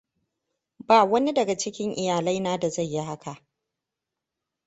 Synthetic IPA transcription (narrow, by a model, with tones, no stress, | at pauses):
baː˨wɐ˦ni˦dɐ˨ɡa˨t͡ʃɪ˦kʲɪ˦ŋʔɪ˨jaː˨lɐ˦jnaː˦da˨za˦˨jːi˦ɦa˦kʰa˨ʔ